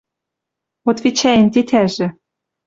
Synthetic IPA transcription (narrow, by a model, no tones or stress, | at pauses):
ot̪vit͡ɕæjɘ̆nt̪et̪ʰæʒɘ̆